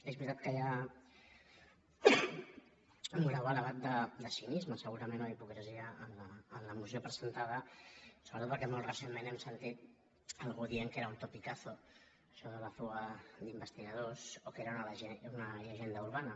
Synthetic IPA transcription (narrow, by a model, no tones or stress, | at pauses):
ezβɾit̪at̪̚kəʎa | əmɡɾaβuələβ̞at̪̚d̪əd̪əsinizməsəɣ̞uɾəmẽnoipukɾəziəːnləːnləmusjopɾəzənt̪að̞əsoβɾət̪ot̪̚pəɾkɛmolˠt̪rəsemmẽnɛmsənt̪it̪̚ | əlˠɣuðieŋkeɾəunt̪opikaθo | əʃɔðələθoəd̪imbəst̪iɣəð̞osokeɾəunəunəʎəʒend̪əuɾβanə